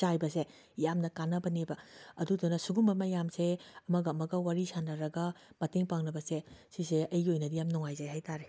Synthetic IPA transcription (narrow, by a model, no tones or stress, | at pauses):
t͡ʃajbɐse | jamnɐkanɐbɐnebɐɐdudunɐsuɡumbɐmɐjamseɐmɐɡɐmɐɡɐwaɾisanɐɾɐɡɐmɐteŋpaŋnɐbɐsesiseɐjɡiojnɐdijamnuŋajzajɦajtʰaɾe